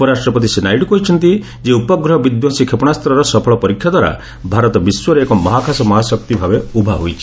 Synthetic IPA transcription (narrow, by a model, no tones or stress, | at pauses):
pɔɾasʈɾɔpɔt̪isenajɖkɔɦit͡ʃʰɔnt̪i | d͡ʒeupɔɡɾɔɦɔbid̪jɔsikʰepɔɽ̃ast̪ɔɾɔɾɔsɔpʰɔɭɔpɔɾikʰjɔd̪waɾa̰ | bʱaɾɔt̪ɔbiswɔɾekɔmɔɦakʰasɔmɔɦasɔkt̪ibʱabeubʱaɦojt͡ʃʰi